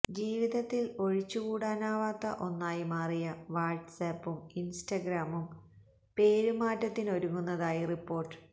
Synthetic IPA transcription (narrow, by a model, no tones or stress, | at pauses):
d͡ʑiːʋiðɐt̪ːilo̞ɻit͡ɕːukuːɽaːnaːʋaːt̪ːɐʔo̞nːaːjimaːrijɐʋaːrʈsɐpːuminsʈɐɡɾaːmum | pe̞ːɾumaːtːɐt̪ːino̞ɾuŋːunːɐðaːjiripːo̞ːrʈːɨ̥